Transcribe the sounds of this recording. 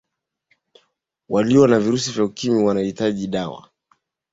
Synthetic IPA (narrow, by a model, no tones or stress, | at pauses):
waliwanaviɾusivjaukimiwanahitaʄiɗawa̰